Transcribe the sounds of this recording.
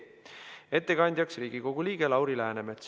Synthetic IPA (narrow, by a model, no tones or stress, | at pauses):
e̞t̪ːe̞kɑnʲd̪̥ʲjɑksriːɡ̥iko̞ɡ̥uliːɡ̥e̞lɑwɾilæɦænemet̪s